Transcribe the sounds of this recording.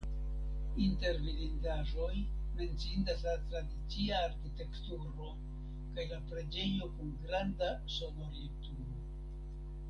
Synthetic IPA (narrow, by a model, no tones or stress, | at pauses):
inte̞ɾmilindaʒo̞j | me̞nt͡sindaslatɾadit͡siaːɾkite̞ktuɾo̞ | kajlapɾe̞d͡ʒe̞jo̞kunɡɾanda | so̞no̞ɾliptuɾo